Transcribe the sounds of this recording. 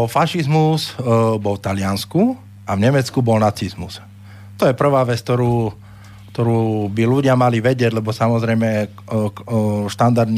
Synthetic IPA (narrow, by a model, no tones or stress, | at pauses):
ɔfaʃizmuzbɔlt̪alɪansku | avɲɛmɛt͡skubɔlnat͡sizmuz̥ | t̪ɔjɛpr̩ʋaːʋɛt͡sk̚t̪ɔɾuː | kt̪ɔɾuːbiluɟɪamaliʋɛɟɪɛɟlɛbɔsamɔzɾɛjmɛ | ʃt̪and̪aɾd̪n